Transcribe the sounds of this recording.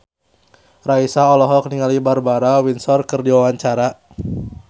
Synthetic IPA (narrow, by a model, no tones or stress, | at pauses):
raisaɔlɔɦɔkniŋalibarbaɾawinsɔrkɨrdiwawaɲt͡ʃaɾa